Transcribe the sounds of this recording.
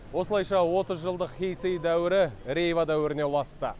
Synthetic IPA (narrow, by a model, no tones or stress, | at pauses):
wo̞səlˠɑjʃɑwo̞t̪əzʒəlˠd̪əqχʲejsejd̪æwɪɾɪɾe̞jvad̪æwɪɾɪnewlˠɑst̪ə